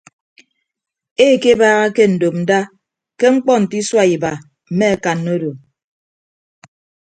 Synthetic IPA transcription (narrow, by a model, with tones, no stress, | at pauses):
e˦˨ke˦baː˦ɣa˦ke˦n̩˨do˨p̚n̩˨da˦ | ke˦ŋ͡m̩˦k͡pɔ˦n̩˨ti˦swa˦i˨ba˨ | m̩˨me˦a˦ka˨nːo˦do˨